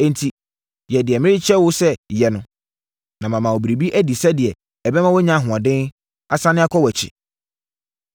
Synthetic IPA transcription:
ɛ̃˨ntʰi˨ | jɛ˨dɪ˨ɛ˨mɪ̃˦ɾɪ˦t͡ɕʰɛ˦wʊ˦sɛ˦jɛ˨nʊ̃˨ | nã˨mã˨mã˨wo˨bi˨ɾe˨bi˦ʔæ˦di˨sɛ˦dɪ˨ɛ˨ | ɛ˨bɛ˦mã˦wɔ˦ɲã˦˨ɦʊ̃˨ã˨dɪ̃˦n | a˨sã˦nɪ̃˦a˦kʰɔ˦wɛ˨t͡ɕʰɪ̰˨

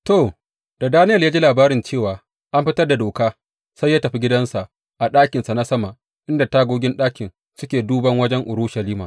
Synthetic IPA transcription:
toː˨ | d̥a˨daː˦nɪ˦jɐ˨ljaː˦d͡ʒi˦laː˨baː˦ɾɪ˨nt͡ʃeː˦˨waː˨ | ʔa˦mɸɪ˦tɐ˦rda˨doː˨kaː˦ | sa˦jːaː˦tɐ˨ɸi˦ɡʲɪ˦dɐ˦nsa˨ʔ | ʔa˨ɗaː˦kʲɪ˨nsa˨na˦sɐ˦ma˨ʔ | ʔɪ˦nda˨taː˦ɡʷoː˦ɡʲɪ˦nɗaː˦kʲɪ˨n | sʊ˦kʲeː˨duː˦bɐ˦ŋwɐ˦d͡ʒɛ˦ŋʔʊ˨ɾu˦ʃɐ˨liː˦ma̰ː˨

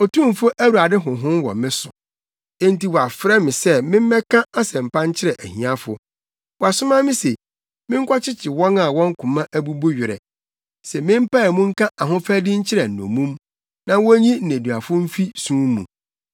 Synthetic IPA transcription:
o˨tʰũ˦˨m˨fʊ˦ʔæ˦wu˨a˨dɪ˦ɦʊ̃˨ɦʊ̃˦n˦wɔ̰˨mɪ̃˦sʊ˨ | ɛ̃˦nti˨wɔ˨a˨fɾɛ˦mɪ̃˨sɛ˦mɪ̃˦m˦mɛ̃˦kʰã˦a˦sɛ̃˨m̩˨pã˦n˦t͡ɕʰɪ˦ɾɛ˨ʔæ˨hĩ˨ã˦fʊ˨ | wɔ˨a˨sʊ˦mã˦mɪ̃˦se˨ | mɪ̃˦ŋ̩˦kʰʷɔ˦t͡ɕʰɪ˦t͡ɕʰɪ˨wɔ̃˦na˨wɔ̃˦ŋ̩˦kʰʊ̃˨mã˦ʔæ˦bu˦bo˦ɥᶣɪ˨ɾɛ̰˨ | sɛ˨mɪ̃˦m̩˦pa˦ɛ˨mũ˦ŋ̩˦kʰã˦ʔa˨ɦʊ̃˦fæ˦dɪ˦ɲ̩˦t͡ɕʰɪ˦ɾɛ˨n̩˨nɔ̰̃˨mũ˦m | nã˨wɔ˦ɲĩ˦n̩˨æ̃˨du˨a˨fʊ˦m̩˦fi˦sũː˦mṵ̃˨

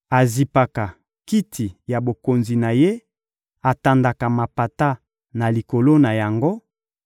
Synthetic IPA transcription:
a˨zi˨pa˨ka˨ | ki˦tʰi˨ja˨bo˨ko˨nzi˨na˨je˦ | a˨ta˨nda˨ka˨ma˨pa˨ta˦ | na˨li˨ko˨lo˦na˨ja˨ŋɡo˦

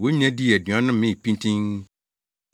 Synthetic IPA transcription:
wo˦ɲ˦ɛ̃˦di˦ɛ˨dɥã˨˦nʊ̃˦m˦mɪ̃˦˨pĩ˦ntʰĩ˦ŋ

